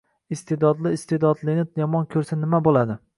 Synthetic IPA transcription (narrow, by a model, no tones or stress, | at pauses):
ɪst̪ʰed̪ɒd̪lɪːst̪ed̪ɒd̪lˠɪnɪjɒmɒnkʲʰɵɾsanɪmabolˠad̪ɪ